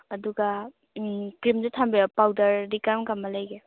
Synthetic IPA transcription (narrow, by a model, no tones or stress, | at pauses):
ɐduɡɐ | kɾimzutʰambiɐpawdɐɾːikaɾmɡamːɐlɐjɡe